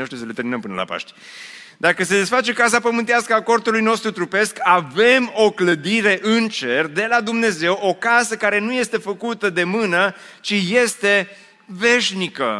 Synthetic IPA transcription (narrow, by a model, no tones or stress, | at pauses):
eoʃt̪imsəlet̪eɾminəmpɨnə̰la̰pa̰ʃt̪ʲ | d̪akəse̞d̪esfat͡ʃe̞kas̬apəmɨnt̪easkəako̞rt̪ulujno̞st̪ɾut̪ɾupe̞skʰave̞mo̞kləd̪iɾe̞ʔɨnt͡ʃe̞rd̪e̞lad̪umne̞ze̞wʔo̞kasəkaɾe̞nuje̞st̪e̞fəkut̪əd̪e̞mɨnə | t͡ʃije̞st̪e̞ | ve̞ʃnikə̰